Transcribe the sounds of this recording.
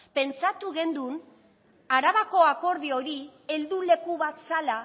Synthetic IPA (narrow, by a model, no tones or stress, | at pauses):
pe̞nt͡sat̪uɣe̞nd̪un | aɾaβako̞ako̞ɾðio̞ɾie̞ld̪ule̞kuβat̪sala